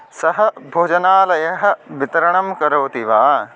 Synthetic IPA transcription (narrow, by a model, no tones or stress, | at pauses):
sɐɦɐ̆bʱoːd͡ʒɐnaːlɐjɐɦɐ̆ʋit̪ɐɾɐɳɐmkɐɾoːt̪iʋaː